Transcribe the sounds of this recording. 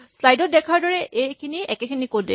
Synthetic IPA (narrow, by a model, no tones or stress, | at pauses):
slajdɔt̚dɛkʰaɹdɔɹɛʔejkʰiniɛkɛkʰinikotde